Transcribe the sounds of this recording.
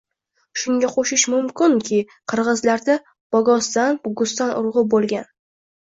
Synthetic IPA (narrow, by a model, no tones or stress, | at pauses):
ʃʊŋɡʲaqʰoʃɪʃmʊmkʲɪŋkʲʰɪ | qʰɨɾʁɨzlaɾd̪a | b̥ɒɡɒsd̪anɡʊst̪anʔʊ̰ɾʁʊbolˠɡʲan